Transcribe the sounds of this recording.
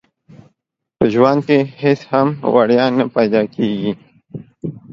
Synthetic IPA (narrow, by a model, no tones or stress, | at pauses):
pəʒwankehɪshamwa̰ɽjɑːnapajd̪ɑːkeɡi